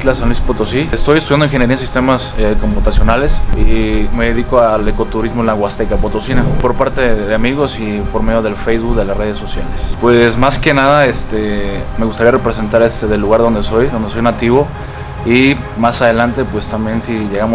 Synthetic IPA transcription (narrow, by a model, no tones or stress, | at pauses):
t̪lasonlispot̪osiest̪o̞jest̪uðjand̪enŋxeneɾians̬ist̪emaseko̞mput̪asjo̞nale̞sime̞ðe̞ðiko̞ale̞ko̞t̪uɾizmoenlaɣwast̪ekapot̪o̞sinapo̞ɾpaɾt̪e̞ðeamiɣo̞si | po̞ɾme̞ðjoð̞e̞lfejzβukðe̞lare̞ðesːo̞sja̰lespwe̞smaske̞naðaest̪eme̞ɣust̪aɾiare̞pɾese̞nt̪aɾest̪e̞ðe̞lːuɣaɾðo̞nd̪eso̞jðo̞nd̪e̞so̞jnat̪iβ̞o̞ | i | masaðe̞lant̪e̞pwe̞st̪ambje̞nsiʝe̞ɣamo